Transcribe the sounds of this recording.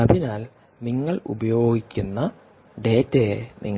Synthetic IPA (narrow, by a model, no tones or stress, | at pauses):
ɐbinaːl | niŋːɐɭṵbɐjo̞ːɡikʲːunːɐ | ɖe̞ːtːeːnʔḭŋː